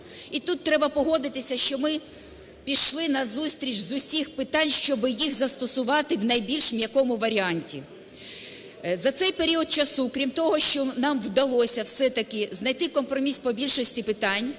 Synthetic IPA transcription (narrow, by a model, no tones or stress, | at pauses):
it̪ut̪ːɾɛbɐpɔɦɔd̪ɪt̪ɪsʲɐʃt͡ʃɔmɪ | pʲiʃlˠɪnɐzusʲt̪ʲɾʲit͡ʃzʊsʲixpɪt̪ɑnʲʃt͡ʃɔbɪjixzɐst̪ɔsʊʋɑt̪ɪwnɐjbʲilʲʃɪmjɐkɔmʊʋɐɾʲiɑnʲtʲḭ | zɐt̪sɛjpeɾʲiɔd̪̚t͡ʃɐsukɾʲimt̪ɔɦɔʃt͡ʃɔnɑmwd̪ɐlˠɔsʲɐwsɛt̪ɐkɪznɐjt̪ɪkɔmpɾɔmʲispɔbʲilʲʃɔsʲtʲipɪt̪ɑnʲ